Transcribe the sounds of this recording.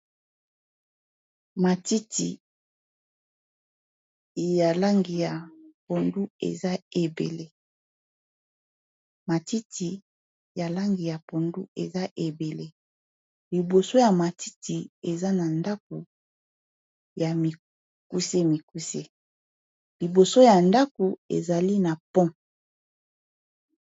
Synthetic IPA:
ma˨ti˦ti˨ | ja˨la˦ŋɡi˨ja˨po˨ndu˦ḛ˨za˦e˨bḛ˨le˦ | ma˨ti˦tʰi˨ | ja˨la˦ŋɡi˨ja˨po˨ndu˦ḛ˨za˦ʔe˨be˨le˦ | li˨bo˨so˦ja˨ma˨ti˦ti˨e˨za˦na˨nda˦k̚u˨ | ja˨mi˨ | ku˦se˦mi˨ku˦se˦ | li˨bo˨so˦ja˨nda˦ku˨ḛ˨za˨li˦na˨pɔ̃˦

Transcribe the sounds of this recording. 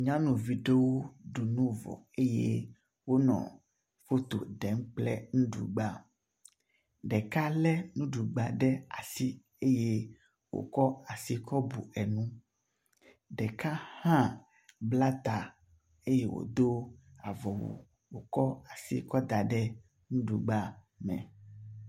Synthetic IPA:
ɲã˦nũ˨vi˦ɖe˦wo˦ɖu˨nũ˦vɔ̰˨e˦jḛ˦ | wo˦nɔ̰̃˨ | fo˦t̪o̰˨ɖɛ˨˦ŋ˦k͡plɛ̰˦nũ˦ɖṵ˨ɡ͡ba˦ | ɖɛ˨ka˦lɛ˦nũ˦ɖu˨ɡ͡ba˨ɖɛ˦a̰˨si˦ | e˦je˦ | wo̰˨kɔ˦a˨si˦kʰɔ˦bu˨ɛ˨nũ˦ | ɖɛ˨ka˦hã˦ | bla˦t̪a˨ | e˦je˦wo̰˨d̪o˦a˨vɔ˨wṵ˨ | wo˨kɔ˦a˨sḭ˦kɔ˦d̪a˨ɖɛ˦ | nũ˦ɖu˨ɡ͡ba˦ | mɛ̰̃˨

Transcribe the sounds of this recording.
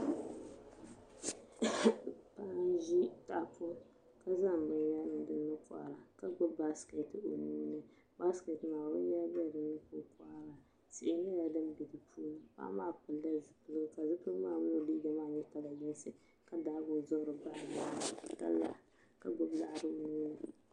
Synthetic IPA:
pa˦n˦ʒi˦ta˨pʊ˦ | ka˦za˦m˨bɨ˦ɲ˦ja˦nɨ˨dɨ˦nːɨ˦kʷa̰ː˨ɾa˨ka˦ɡ͡bʊ˦ba˦ske˨to˨ni˦nɨ˦ | ba˦ske˨tɨ˨maː˨bʊ˦a˦bi˦a˦˨dɨ˦nːɨ˦kʊ˦kwaː˦ɾa˨ | sɪ˨ʔɪ˨nɨ˦ja˨dɨ˦m˦bi˨dɨ˨pʰu˦nɨ˨pa̰˦maː˦˨pɨ˨lːa˦zɨ˨pɨ˦lɨ˦ɡɨ˦ka˨zɨ˦pɨ˦maː˦˨mʊ˦lo˦˨liː˦ɡa˨maː˦˨ɲɛ˦ta˦la˨jɪ˦nsɨ˨ | ka˦da˦bʊ˨zʊ˦ʔɾɨ˨ba˦˨ja˦na˦˨ta̰˦lːa̰˦ | ka˨ɡ͡bʊ˦bla˦ʔɾɨ˦˨nuː˦nɨ˦

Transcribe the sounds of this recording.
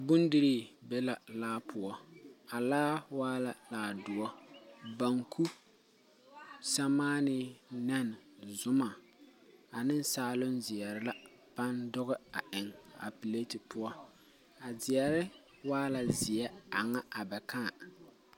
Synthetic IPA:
bʊ˦ndɪ˦ɾi˦bɛ˦la˨laː˦pʰʊ˨ɔ˦a˨laː˦waː˦la˨laː˨˦dʊ˨ɔ˦ba˨ŋkʰu˦ | sa˦maː˦nɪ˦nɛ˦n˨zʊ˦ma˨ | a˨nɪ˦n˦saː˨lʊ˦nzɪ˨ɛ˨ɾɪ˦la˦ | b̥a˦ndʊ˦ɣɪ˦a˨ʔɪ˨ŋa̰˨pi˨le˦ti˨pʊ˦ɔ˦ | a˨zɪ˨ɛ˨ɾɪ˦ | waː˦la˨zɪ˨ɛ˦a˨ŋa˦a˨bɛ˨ka˦˨

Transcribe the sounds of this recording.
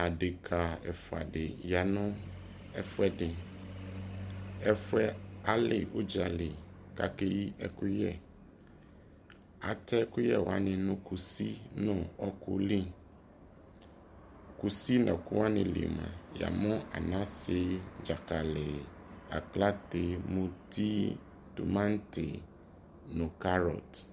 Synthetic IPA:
a˨ɖe˨kʰa˨ɛ˨fo˨a̰˨ɖe˨ja˨nɔ̃˦ | ɛ˦fɛ˦ɖe˨ | ɛ˦fɛ˦a˨le˨wo˦d͡ʒa˨le˨ka̰˦ke˦ji˦ʔɛ˦ku˦jɛ˦ | a̰˨t̪ɛ˦ku˦jɛ˦wa̰˦nĩ˨nũ˦ku˨si˦nɔ̃˦˨ɔ˦kʊ̰˦lĩ˦˨ | ku˨si˦nɔ̃˨kʊ˦wa˦nɪ̃˨lḭ˨mã̰˨ja̰˨mʊ̃˦a̰˨nã˦se˦d͡ʒa˨ka˨lɪ˨ | a̰˨kla˦te˨mũ˦ti˦ | tṵ˨mã˦n˦tɪ̰˨ | nʊ̃˨ka˦ɾɔ̰˨t

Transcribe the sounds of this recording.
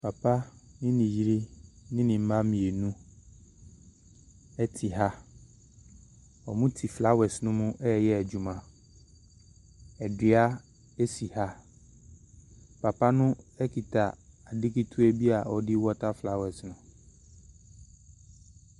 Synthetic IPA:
pʰa˨pʰa˦nɪ̃˦nĩ˨ji˦ɾi˦nɪ̃˦nɪ̃˨m̩˦mã˦mĩ˨e˨nũ˦ | ɛ˦tʰi˨ɦa˦ | ɔ̰˨mũ˦tʰi˨fla˦wɛ˨snʊ̃˦mũ˦ʔɛ˦˨jɛ˦ɛ˨d͡ʑu˨mã˨ | ɛ˨dɪ˨a˦ | e˦si˨ha˦ | pʰa˨pa˦nʊ̃˦ɛ˦kʰi˨tʰa˨a˨dɪ˦ki˦tʰu˦ɛ˦bi˦a˨ɔ˨dɪ˦wɔ˦tʰa˦fla˦wɛ˨snʊ̃˨

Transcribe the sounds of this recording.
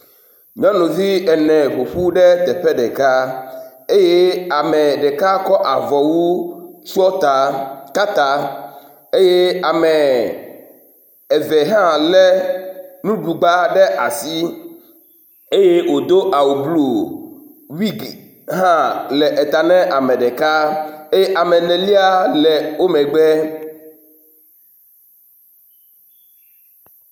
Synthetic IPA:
ɲɔ̃˦nũ˨vi˦ɛ˨nɛ̃˨ɸo˨ɸu˦ɖɛ˦t̪ɛ˨ɸɛ˦ɖɛ˨ka˦ | e˦je˦a˨mɛ˨ɖɛ˨ka˦kɔ˦ʔa˨vɔ˨wu˦t͡ʃu˦ɔ˦t̪a˨ka˦t̪a˦ | e˦je˦a˨mɛ˨ | ɛ˨vɛ˨ɦã˦lɛ˦nũ˦ɖu˨ɡ͡ba˦ɖɛ˦ʔa˨si˦ | e˦je˦wo˨d̪o˦ʔa˨wo˨blu˨ | wi˦ɡ | ɦã˦lɛ˨ʔɛ˨t̪a˨nɛ̃˦ʔa˨mɛ̃˨ɖɛ˨ka˦e˦je˦ʔa˨mɛ˨nɛ̃˨li˦a˦lɛ˨wo˦mɛ̃˨ɡ͡bɛ˦

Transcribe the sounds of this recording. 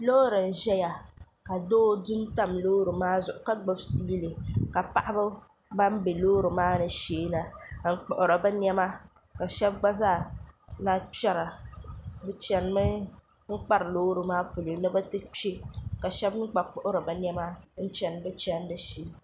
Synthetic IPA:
loː˦ɾɨ˨n̩˨ʒɛ˦ja˨ | ka˨doː˦dʊ˦mta˦mloː˦ɾɨ˨maː˦zʊ˨ʔʊ˨ka˦ɡ͡bo˦bsiː˦lɨ˨ka˨pa˦ʔa˦bɨ˦ | ba˦m˦be˨loː˦ɾɨ˨maː˦nɨ˨ʃeː˦na˨ŋ̩˨˦k͡pʊ˨ʔʊ˨ɾa˨bɛ˦n˦ɛ˦ma˦ | ka˨ʃɛ˦b̚ɡ͡ba˦zaː˦˨na˦t͡ʃɛ˦ɾa˨ | bɨ˦t͡ʃɛ˨n˦mɨ˦ | ŋ̩˦k͡pa˦ɾloː˦ɾɨ˨maː˦pu˨lɨ˨nɨ˦bɛ˦tɨ˦t͡ʃe˦ka˨ʃɛ˦bŋ̩˦k͡pa˨k͡pʊ˦ʔʊ˦ɾɨ˨bɛ˨n˦ɛ˦ma˦n̩˦t͡ʃɛ˨nbɛ˦t͡ʃɛ˦n˦dɨ˦ʃi˨˦

